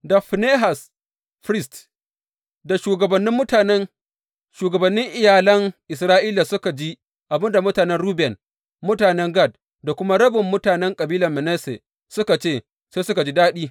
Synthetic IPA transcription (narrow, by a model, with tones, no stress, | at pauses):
da˨ɸneː˦ɦa˨s | ɸɾɪ˦st | da˨ʃuː˨ɡɐ˨bɐ˨nːɪ˦mːʊ˦taː˨nɛ˦n | ʃuː˨ɡɐ˨bɐ˨nːɪ˦ŋʔɪ˨jaː˨lɐ˦ŋʔɪ˨sɾaː˦ʔiː˦laː˨sʊ˦ka˨d͡ʒi˦ | ʔa˨bɪ˦nda˨mʊ˦taː˨nɛ˦nɽuː˦bɛ˨n | mʊ˦taː˨nɛ˦ŋɡɐ˦˨d̚ | da˨kʷʊ˦ma˦ɽɐ˦bɪ˨mːʊ˦taː˨nɛ˦ŋkʼɐ˨biː˦lɐ˨mɛ˨nɛ˦sḛ˨ | sʊ˦ka˨t͡ʃeː˦˨ | seː˦sʊ˦ka˨d͡ʒi˦daː˦ɗiː˦